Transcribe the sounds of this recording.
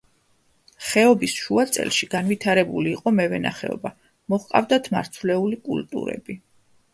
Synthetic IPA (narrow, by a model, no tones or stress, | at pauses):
χɛɔbisʃuat̪sʼɛ̰lˠʃiɡanvit̪ʰaɾɛbuliːqʼɔmɛvɛna̰χɛ̰ɔ̰ba | mɔχqʼa̰vd̪at̪ʰma̰ɾt̪sʰvlɛulikʼṵlt̪ʼṵɾɛ̰bi